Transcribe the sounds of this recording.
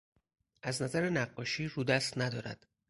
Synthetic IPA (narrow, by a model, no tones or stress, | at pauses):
ʔæznæzæɾenæɢːɒːʃiːɾuːd̪æst̪næd̪ɒːɾæ̰d̪̥